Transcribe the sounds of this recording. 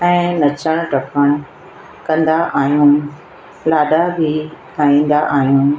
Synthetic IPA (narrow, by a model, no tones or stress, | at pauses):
ɛ̃ːnɐt͡ɕəɽ̃ʊ̆ʈɐpəɽ̃ʊ | kɐ̃nd̪aʔaːɦijũː | laːɗabʱi | aːĩːn̆d̪aʔaːɦijũː